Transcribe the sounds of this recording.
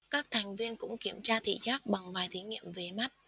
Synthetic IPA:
kaː˦˥k̚t̪ʰa˨˩jŋ̟vi˧ənkʊ̰˧˥ŋ͡mki˧˩əmt͡ɕaː˧t̪ʰḭ˧˨zaː˦˥k̚ɓa˨˩ŋvaː˨˩jt̪ʰi˨˦ŋḭ˧˨əmve˨˩ma˦˥t̚

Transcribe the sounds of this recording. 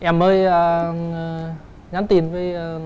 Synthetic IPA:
ʔɛ˧˩mːəː˧jə˧˩˧ | ɲa˨˦mt̪i˨˩ənvəː˨˦j

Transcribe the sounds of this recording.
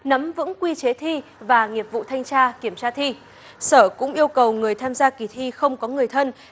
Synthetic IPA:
nə˨˦mvɨ̰˧˥ŋkwi˧t͡ɕe˨˦t̪ʰi˧vaː˨˩ŋi˨˩əp̚vṵ˧˨t̪ʰa˧jŋt͡ɕaː˧ki˧˩əmt͡ɕaː˧t̪ʰi˧ | səː˧˩kʊ̰˧˥ŋ͡mʔi˧əwkə˨˩wŋɨ˨˩əjt̪ʰaː˧mzaː˧ki˨˩t̪ʰi˧xə˧wŋ͡mkɔ˨˦ŋɨ˨˩əjt̪ʰə˧n

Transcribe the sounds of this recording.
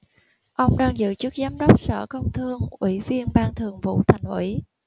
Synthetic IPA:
ʔə˧wŋ͡mɗaː˧ŋzɨ̰˧˨t͡ɕɨ˦˥ək̚zaː˨˦mɗə˦˥wk͡p̚sə̰ː˧˩kə˧wŋ͡mt̪ʰɨ˧əŋʔwḭ˧˩vi˧ənɓaː˧ŋt̪ʰɨ˨˩əŋvṵ˧˥t̪ʰa˨˩jŋ̟ʔwḭ˧˩˥

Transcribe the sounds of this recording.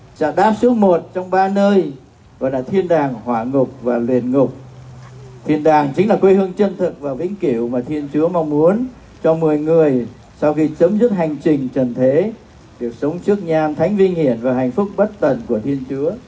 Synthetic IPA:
t͡ɕa̰ː˧˩ɗaː˦˥p̚su˦˥ət̚mo˨˩t̚t͡ɕɔ˧wŋ͡mɓaː˧nəː˧j | ɣɔ̰˨˩laː˨˩t̪ʰi˧ənɗaː˨˩ŋhwaː˧˩ŋʊ˨˩k͡p̚vaː˨˩lwḭ˨˩ənŋʊ˨˩k͡p̚ | t̪ʰi˧ənɗaː˨˩ŋt͡ɕï˨˦ŋ̟laː˨˩kwi˧hɨ˧əŋt͡ɕə˧nt̪ʰɨ˨˩k̚vaː˨˩wvḭ˧˥ŋ̟ki˧˩ə˨wmaː˨˩t̪ʰi˧ənt͡ɕu˨˦əma˧wŋ͡mmu˨˦ən | t͡ɕɔ˧mɨ˨˩əjŋɨ˨˩əj | sɔ˧wxi˧t͡ɕə˨˦mzɨ˦˥p̚ɦha˨˩jŋ̟t͡ɕï˨˩ŋ̟t͡ɕə˨˩nt̪ʰe˨˦ | ɗi˨˩ək̚sə˨˦wŋ͡mt͡ɕɨ˦˥ək̚ɲaː˧mt̪ʰa˨˦jŋ̟vï˧ŋ̟hi˧˩ənvaː˨˩ɦɛ̰˨˩jŋ̟fʊ˦˥k͡p̚ɓə˦˥t̚t̪ə˨˩nku˧˩ət̪ʰi˧ənt͡ɕu˨˦ə

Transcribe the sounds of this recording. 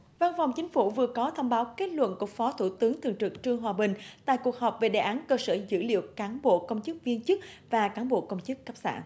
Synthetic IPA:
va˧nfɔ˨˩wŋ͡mt͡ɕï˨˦ŋ̟fu˧˩vɨ˨˩əkɔ˨˦t̪ʰə˧wŋ͡mɓaː˨˦wke˦˥t̚lwə̰˧˨nku˧˩əfɔ˨˦t̪ʰu˧˩t̪ɨ˨˦əŋt̪ɨ˨˩əŋt͡ɕɨ˨˩k̚t͡ɕɨ˧əŋɦwaː˨˩ɓï˨˩ŋ̟t̪a̰ː˧˨jku˨˩ək̚ɦɔː˨˩p̚ve˨˩ɗe˨˩ʔaː˨˦nkəː˧səː˧˩zɨ̰˧˥lḭ˧˨əwkaː˨˦nɓo̰˧˨kə˧wŋ͡mt͡ɕɨ˦˥k̚vi˧ənt͡ɕɨ˦˥k̚vaː˨˩kaː˨˦nɓo̰˧˨kə˧wŋ͡mt͡ɕɨ˦˥kːa˦˥p̚sa̰ː˧˩˨n

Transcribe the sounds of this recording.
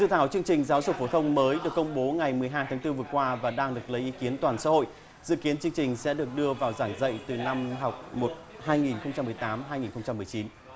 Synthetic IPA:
zɨ̰˧˨t̪ʰaː˧˩wt͡ɕɨ˧əŋt͡ɕï˨˩ŋ̟zaː˨˦wzʊ˨˩fo˧˩t̪ʰə˧wŋ͡mməː˨˦jɗɨ˨˩əkːə˧wŋ͡mɓo˨˦ŋa˨˩jmɨ˨˩əjɦaː˧jt̪aː˨˦ŋt̪ɨ˧vɨ˨˩əkwaː˧vaː˨˩ɗaː˧ŋɗɨ˨˩ək̚lə˨˦jʔi˨˦ki˨˦ənt̪waː˨˩nsa̰ː˧˥ho̰˧˨j | zɨ̰˧˨ki˨˦ənt͡ɕɨ˧əŋt͡ɕï˨˩ŋ̟sɛ̰˧˥ɗɨ˨˩ək̚ɗɨ˧əvaː˨˩wzaː˧˩ŋzə̰˧˨jt̪ɨ˨˩na˧mɦa˨˩wk͡p̚mo˨˩t̚ | haː˧jŋi˨˩nxə˧wŋ͡mt͡ɕa˧mːɨ˨˩əjt̪aː˨˦mɦaː˧jŋi˨˩nxə˧wŋ͡mt͡ɕa˧mːɨ˨˩əjt͡ɕi˨˦n

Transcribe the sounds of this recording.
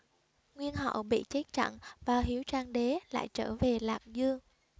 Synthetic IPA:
ŋwi˧ənɦə̰˧˨wɓḭ˧˨t͡ɕe˦˥k̚t͡ɕa̰˧˨nvaː˨˩ɦi˨˦əwt͡ɕaː˧ŋɗe˨˦la̰ː˧˨jt͡ɕəː˧˩ve˨˩laː˨˩k̚zɨ˧əŋ

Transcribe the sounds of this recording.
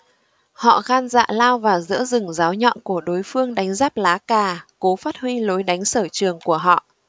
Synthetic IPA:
hɔ̰˧˨ɣaː˧nza̰ː˧˨laː˧wvaː˨˩zɨ̰˧˥əzɨ˨˩ŋzaː˨˦wɲɔ̰˧˨nku˧˩əɗo˨˦jfɨ˧əŋɗa˨˦jŋ̟zaː˦˥p̚laː˨˦kaː˨˩ko˨˦faː˦˥t̚hwi˧lo˨˦jɗa˨˦jŋ̟səː˧˩t͡ɕɨ˨˩əŋku˧˩əɦɔ̰˧˨

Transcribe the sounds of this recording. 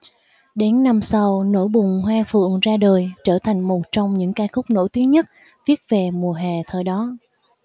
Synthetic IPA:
ɗe˨˦nːa˧msa˧wno̰˧˥˩jɓʊ˨˩ŋŋ͡mhwaː˧fɨ̰˧˨əŋzaː˧ɗəː˨˩jt͡ɕəː˧˩t̪ʰa˨˩jŋ̟mo˨˩t̚t͡ɕɔ˧wŋ͡mɲɨ̰˧˥ŋkaː˧xʊ˦˥k͡p̚no̰˧˥˩jt̪i˨˦əŋɲə˦˥t̚ | vi˦˥ət̚ve˨˩mu˨˩əɦaː˨˩t̪ʰəː˨˩jɗɔ˨˦

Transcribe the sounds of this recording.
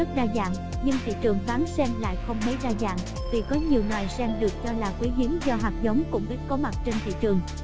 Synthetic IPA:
ə˦˥t̚zaː˧za̰ː˧˨ŋ | ɲɨ˧ŋt̪ʰḭ˧˨t͡ɕɨ˨˩əŋvaː˨˦nsɛ˧mla̰ː˧˨jxə˧wŋ͡mmə˨˦jzaː˧za̰ː˧˨ŋ | vi˨˩kɔ˨˦ɲi˨˩əwŋwaː˨˩jsɛ˧mɗɨ˨˩ək̚t͡ɕɔ˧laː˨˩kwi˨˦zi˨˦ŋzɔ˧ɦaː˨˩k̚zə˨˦wŋ͡mkʊ̰˧˥ŋ͡mkə˦˥t̚kɔ˨˦ma˨˩t̚t͡ɕe˧nt̪ʰḭ˧˨t͡ɕɨ˨˩əŋ

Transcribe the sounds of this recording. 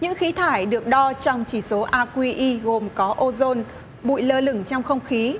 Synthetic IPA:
ɲɨ̰˧˥ŋxi˨˦t̪ʰaː˧˩jɗɨ˨˩ək̚ɗɔ˧t͡ɕɔ˧wŋ͡mt͡ɕi˧˩so˨˦ʔaː˧kwi˧ʔi˧ɣo˨˩mkɔ˨˦ʔo˧zo˧n | ɓṵ˧˨jləː˧lɨ˧˩ŋt͡ɕɔ˧wŋ͡mxə˧wŋ͡mxi˨˦

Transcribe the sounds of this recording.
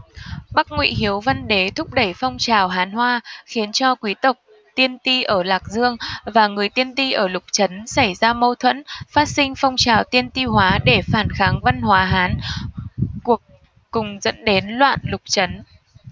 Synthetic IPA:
ɓa˦˥k̚ŋwḭ˧˨ɦi˨˦əwva˧nɗe˨˦t̪ʰʊ˦˥k͡p̚ɗə˧˩jfɔ˧wŋ͡mt͡ɕaː˨˩wɦaː˨˦nɦwaː˧xi˨˦ənt͡ɕɔ˧kwi˨˦t̪ə˨˩wk͡p̚ | t̪i˧ənt̪i˧ʔəː˧˩laː˨˩k̚zɨ˧əŋvaː˨˩ŋɨ˨˩əjt̪i˧ənt̪i˧ʔəː˧˩lʊ˨˩k͡p̚t͡ɕə˨˦nsa˧˩jzaː˧mə˧wt̪ʰwə̰˧˥nfaː˦˥t̚sï˧ŋ̟fɔ˧wŋ͡mt͡ɕaː˨˩wt̪i˧ənt̪i˧ɦwaː˨˦ɗe˧˩faː˧˩nxaː˨˦ŋva˧nɦwaː˨˦ɦaː˨˦n | ku˨˩ək̚ː | ʊ˨˩ŋ͡mzə̰˧˥nɗe˨˦nlwa̰ː˧˨nlʊ˨˩k͡p̚t͡ɕə˨˦n

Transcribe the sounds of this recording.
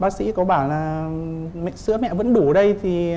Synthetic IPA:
ɓaː˨˦k̚sḭ˧˥kɔ˨˦ɓaː˧˩nlaː˨˩ | mɛ̰˧˨ŋsɨ̰˧˥əmɛ̰˧˨və̰˧˥nɗu˧˩ə˨˩˦ɗə˧jt̪ʰi˨˩

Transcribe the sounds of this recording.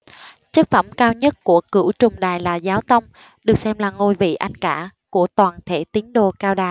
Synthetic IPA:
t͡ɕɨ˦˥t̚fə˧˩mkaː˧wɲə˦˥t̚ku˧˩əkɨ̰˧˩t͡ɕʊ˨˩ŋ͡mɗaː˨˩jlaː˨˩zaː˨˦wt̪ə˧wŋ͡m | ɗɨ˨˩ək̚sɛ˧mlaː˨˩ŋo˧˩jvḭ˧˨ʔa˧jŋkaː˧˩ku˧˩ət̪waː˨˩nt̪ʰe˧˩t̪i˨˦əŋɗo˨˩kaː˧wɗaː˨˩j

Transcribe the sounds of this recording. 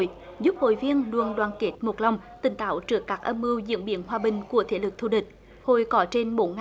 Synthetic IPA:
j | zu˦˥p̚ho̰˧˨jvi˧ənlu˨ənɗwaː˨˩nke˦˥t̚mo˨˩t̚la˧wŋ͡mt̪ï˧˩ŋ̟t̪a̰ː˧˥wt͡ɕɨ˦˥əkːaː˦˥k̚ʔə˧mʔɨ˧wzḭ˧˥ənɓḭ˧˨ənɦwaː˧ɓï˨˩ŋ̟ku˧˩ət̪ʰḛ˧˩lɨ˨˩k̚t̪ʰṵ˧˩ɗï˨˩k̟̚ | ho̰˧˨jkɔ˨˦t͡ɕe˧nɓo˨˦n

